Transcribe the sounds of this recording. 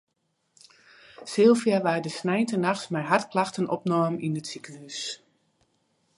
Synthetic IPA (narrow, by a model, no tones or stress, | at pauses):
sɪlˠfjaʋaːdəsnɛjntənaxsmɛjɦartklaxtənɔpnɔːminəsikəlys